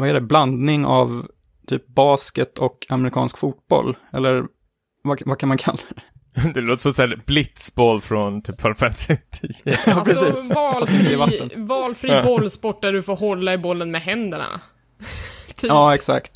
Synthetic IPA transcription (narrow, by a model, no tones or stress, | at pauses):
vaɛɖɛbland̪nɪŋa̰v | t̪ʰy̰ːp̚bɑːskət̪ʰɔkʰamɛɾɪkʰɑ̰ːnskfuːt̪̚b̥ɔ̰lːɛ̰lːəɾ | vavakʰanmankʰa̰lːa | d̪ɛloːt̪ə̥sɔmsæːɾblɪt̪sbɔlːfɾɔnt̪ʰyːpfɔlfɛnsɪt̪ʰiɑːpʰɾɛsiːsɑiɪvat̪ːənvɑːlfɾiːbɔlːspɔʈ̚ːɖæɖɵfoːɾɦɔlːaɪbɔlːənmɛɦɛnd̪əɳa̰ | t̪ʰːɑːɛksa̰kt̪